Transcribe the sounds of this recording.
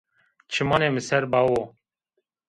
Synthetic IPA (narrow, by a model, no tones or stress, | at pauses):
t͡ʃʰɨmɑːneːmɨsɛɾbɑːwoː